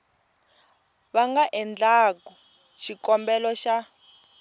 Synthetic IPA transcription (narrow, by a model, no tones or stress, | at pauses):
βaŋɡaʔɛnd͡ɮakɔ | ʃikɔmbɛlɔʃa